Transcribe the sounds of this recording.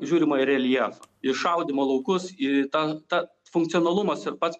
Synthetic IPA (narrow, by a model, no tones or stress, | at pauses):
ʒʲuːɾʲɪmoːɪɾʲɛlʲjɛfɐɪʃɐʊd̪ʲɪmoːlˠɐʊkʊsɪt̪ɐt̪ɐ | fʊŋk̚t̪sʲijonɐlˠʊmɐsɪɾpɐt̪s